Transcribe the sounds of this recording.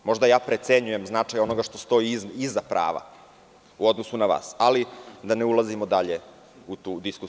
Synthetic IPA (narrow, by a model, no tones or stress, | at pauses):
mo̞ʐd̪ajaːpɾe̞t̪seɲuje̞mznat͡ʂajo̞no̞ɡaʃt̪o̞st̪o̞iizːapɾʔa̰ːʋa̰ | uo̞d̪nosunaʋa̰ːsalid̪aneulˠazimod̪aʎe | ut̪uːd̪isku